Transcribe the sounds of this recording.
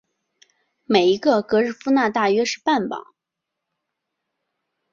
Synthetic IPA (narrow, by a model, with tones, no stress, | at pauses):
me˨˩ɪi˧˥ɡə˧kɤ˧˥ɻ̩˥˩fu˥na˥˧t̪a˥˩ɥɛ˥ʂɻ̩˥˧pa˥˩npɑ̰˨˩˦ŋ